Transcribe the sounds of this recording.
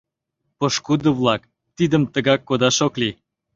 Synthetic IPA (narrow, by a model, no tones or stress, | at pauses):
poʃkud̪əβlɑk | t̪id̪əmt̪əɣɑkːod̪ɑʃokli